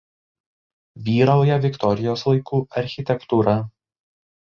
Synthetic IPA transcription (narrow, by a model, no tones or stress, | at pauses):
ʋʲiːɾɐʊjɛʋʲɪkt̪ɔɾʲɪjoːslˠɐɪkuːɐɾʲxʲɪt̪ʲɛkt̪uːɾɐ